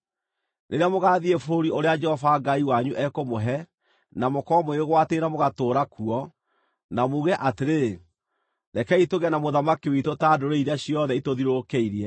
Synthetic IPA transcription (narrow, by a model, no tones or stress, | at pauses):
nʔeɾeamoɣaðiefoɾioɾead͡ʒɛhɔvaɡaiwaɲuʔɛkomoɦɛ | namokɔmoeɣɣwatenamoɣatoːɾakuɔ | namoɣɛʔateɾe | ðɛkɛitoɣɛnamoðamakiwetotadoɾeiɾaɕiɔðɛitoðiɾokeiɾiɛ